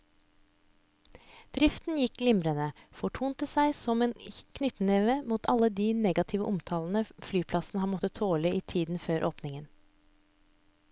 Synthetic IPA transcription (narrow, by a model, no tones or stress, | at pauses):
d̪̥ɾɪft̪n̩jɪkɡlɪmɾənəfɔʈʰuːnt̪əsæɪsɔmeːnkʰnʏt̪n̩eːʋəmuːt̪ʰɑləd̪iːneːɡɑt̪ʰɪʋə̰ʔʊmt̪ʰɑːln̩əflyːpʰlɑsn̩əhɑnmɔt̪ət̪ʰoːləiːt̪ʰiːd̪n̩føːɾʔoːpnɪŋən